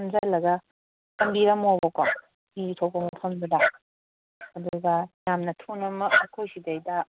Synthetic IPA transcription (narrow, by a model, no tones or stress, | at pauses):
mzalɐɡɐ | kɐmbiɾɐmobɔka | itʰowpʰɐmopʰɐmduda | ɐduɡɐjamnɐtʰonɐmɐk̚ɐkʰojsidejdɐ